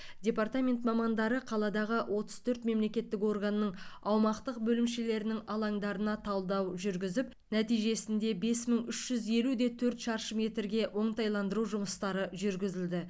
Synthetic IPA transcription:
dʲe̞part̪amʲe̞nt̪mɑmɑnd̪ɑɾəqʰɑlˠɑd̪ɑʁəwʔo̞t̪ə̥z̥t̪ʰɵɾt̪me̞mle̞kʲe̞t̪ːɪko̞rɡənəːəɴɑwmɑqt̪əqbɵlɪmʃe̞le̞ɾɪnɪŋɑlˠɑŋd̪ɑɾənɑt̪ʰɑlˠd̪ɑwʒʏɾɡʲɪzɪp̚ | næt̪ijʒe̞sɪnd̪e̞be̞sməŋʏʃʒ̥ʏzje̞lud̪e̞t̪ʰɵɾt̪ʃɑɾʃəme̞t̪ɪɾɡʲe̞wo̞ɴt̪ɑjlˠɑnd̪əɾuʒʊməst̪ɑɾəʒʏɾɡʲɪzɪld̪ɪ

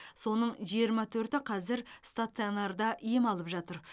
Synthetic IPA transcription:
so̞nəɴʒijəɾmɑt̪ʰɵɾt̪ɪqʰɑzɪɾst̪at̪sionɑɾd̪ɑʔijemɑlˠəpʒɑt̪əɾ

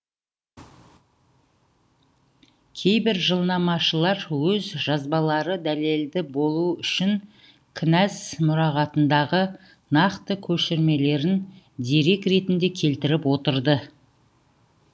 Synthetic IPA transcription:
kʲʰe̞jbɪɾʒəlˠnɑmɑʃəlˠɑɾwɵzʒɑzbɑlˠɑɾəd̪æle̞ld̪ɪbo̞lˠuʏʃɪŋ | kʲʰɪnæsmʊɾɑʁɑt̪ənd̪ɑʁə | nɑqt̪əkʲʰɵʃɪɾme̞le̞ɾɪn | d̪eɾe̞kɾe̞t̪ɪnd̪e̞kʲʰe̞lt̪ɪɾɪpwo̞t̪əɾd̪ə

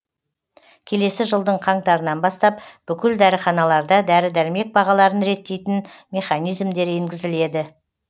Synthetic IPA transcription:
kʲʰe̞le̞sɪʒəlˠd̪əɴqʰɑɴt̪ɑɾənɑnbɑst̪ɑpb̥ʏkʲɪld̪æɾɪχɑnɑlˠɑɾd̪ɑd̪æɾɪd̪æɾɪme̞k̚bɑʁɑlˠɑɾənɾe̞t̪ːe̞jt̪ɪnmʲe̞χɑnijzmd̪e̞ɾe̞ŋɡʲɪzɪle̞d̪ɪ

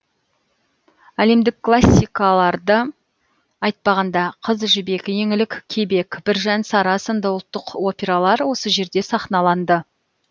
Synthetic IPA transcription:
æle̞md̪ɪkʰːlˠasʲːijkɑlˠɑɾd̪ə | ɑjt̪̚pɑʁɑnd̪ɑqʰəzʒʏbe̞kʲɪje̞ŋɪlɪkkʲʰe̞be̞kʲbɪɾʒænsɑɾɑsənd̪ɑəlˠt̪ːəqo̞pʲe̞ɾalˠɑɾwo̞səʒe̞ɾd̪e̞sɑχnɑlˠɑnd̪ə

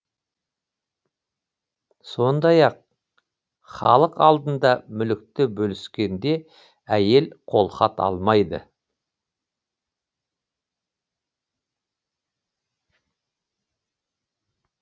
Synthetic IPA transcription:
so̞nd̪ɑjɑq̚ | χɑ̰lˠəqɑlˠd̪ənd̪ɑmʏlɪk̚t̪ɪbɵlɪskʲe̞nd̪e̞ | æje̞lqʰo̞lˠχɑt̪ɑ̰lˠmɑjd̪ə̰

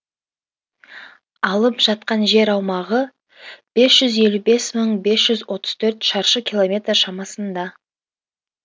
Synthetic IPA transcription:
ɑlˠəpʒ̥ɑt̪qɑnʒe̞ɾɑwmɑʁə | b̥e̞sʒ̥ʏze̞lʲube̞sməɴbe̞sʒ̥ʏzwo̞t̪ə̥z̥t̪ʰɵɾt̪ʃɑɾʃəkʲilˠo̞mʲe̞t̪rʃɑmɑsənd̪ɑ

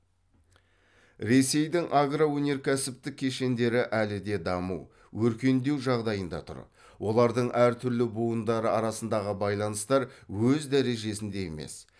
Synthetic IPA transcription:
ɾe̞se̞jd̪ɪŋʔaɡrawɵne̞ɾkʲʰæsɪp̚t̪ɪkʲʰːe̞ʃe̞nd̪e̞ɾɪʔælɪd̪e̞d̪ɑmṵw | wɵɾkʲe̞nd̪e̞wʒɑʁd̪ɑjənd̪ɑ̰t̪ʰʊ̰ɾ̰ | wʔo̞lˠɑɾd̪əɴʔæɾt̪ʰʏɾlɪbuənd̪ɑɾəɑɾɑsənd̪ɑʁəbɑjlˠɑnəst̪ɑɾwɵzd̪æɾe̞ʒe̞sɪnd̪e̞jḛme̞̰s

